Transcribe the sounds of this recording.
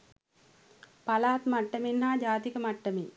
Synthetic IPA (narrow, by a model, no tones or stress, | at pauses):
pɐlaːt̪mɐʈːɐmenːaːd͡ʒaːt̪ikɐmɐʈːɐmi